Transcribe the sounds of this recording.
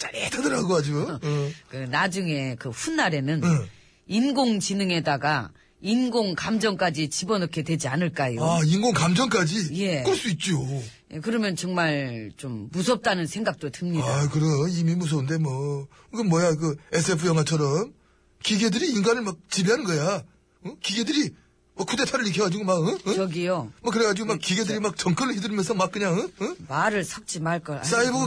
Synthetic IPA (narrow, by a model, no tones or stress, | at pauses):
t͡ɕ͈aɾetʰadɯɾaɡohad͡ʑokɯnad͡ʑuŋe̞kɯɸunːaɾe̞nɯn | inɡoŋt͡ɕinɯŋe̞daɡa | inɡoŋkamd͡ʑʌŋk͈ad͡ʑit͡ɕibʌnʌkʰe̞dwe̞d͡ʑianɯɭk͈ajoainɡoŋkamd͡ʑʌŋk͈ad͡ʑije̞kɯɭs͈uit̚t͡ɕ͈ojekɯɾʌmjʌnt͡ɕʌŋmaɭt͡ɕomːus̬ʰʌp̚t͈anɯnsʰe̞ŋɡak̚t͈otɯŋɲidaakɯɾʌnimimus̬ʰʌbɯnde̞mwʌ | kɯmːwʌjak̬ɯe̞sʰe̞pʰɯjʌŋɦwat͡ɕʰʌɾʌm | kiɡe̞dɯɾiːŋɡanɯɭmak̚t͡ɕibiɦanɯnɡʌja | ʌkiɡe̞dɯɾi | mʌkʰude̞tʰaɾɯɭikʰjʌɡad͡ʑiɡomaɡɯʌɡiomʌk̬ɯɾeɡad͡ʑiɡomak͈iɡe̞dɯɾimak̚t͡ɕʌŋk͈ɯɾɯɭhidɯɾimjʌnsʰʌmak͈̚ɯɲaŋɯɯmaɾɯɭsʰʌk̚t͡ɕ͈imaɭk͈ʌs͈aibɯ